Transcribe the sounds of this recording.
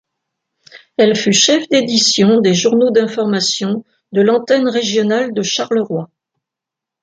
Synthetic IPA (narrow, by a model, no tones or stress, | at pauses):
ɛlfyʃɛfd̪ed̪isjɔ̃d̪eʒuʁnod̪ɛ̃fɔʁmasjɔ̃ | d̪əlɑ̃t̪ɛnʁeʒjɔnald̪əʃaʁləʁwa